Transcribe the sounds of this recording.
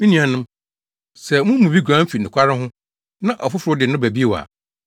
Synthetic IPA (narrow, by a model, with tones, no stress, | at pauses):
m̩˦nĩ˨a˨nʊ̃˦m | sɛ˨mʊ̃˦mũ˨bi˦ɡʷã˨˦m̩˦fi˨nʊ̃˨kʰʷa˦ɾɪ̃˦ɦʊ̃˦ | nã˦ʔɔ˨fʊ˦fʊ˨ɾʊ˦dɪ˨nʊ̃˦bæ˨bi˦e˦wa̰˨